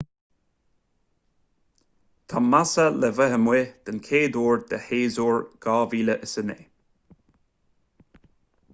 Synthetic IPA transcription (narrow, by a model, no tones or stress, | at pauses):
t̪ʰamasəlɛvəɦəmwed̪̥ənkʰeːd̪oːɹd̪əheːzoːɹɡ̥ɑːviːləʔəsənḛː